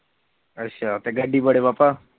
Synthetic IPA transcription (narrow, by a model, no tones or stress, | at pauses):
əɕat̪eɡəɖːibəɽebapa